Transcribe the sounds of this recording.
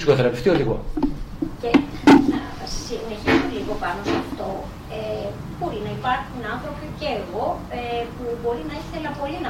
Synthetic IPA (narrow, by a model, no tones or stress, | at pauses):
sikoθeɾɐpeft̪ioðiɣo̰ | ce | nɐ | ɐssine̞çisomeliɣo̞pɐnosɐft̪o̞ | e | b̥o̞ɾinɐipɐɾxunɐnθɾo̞piceeɣo̞ | epubo̞ɾinɐiθe̞lɐpo̞linɐ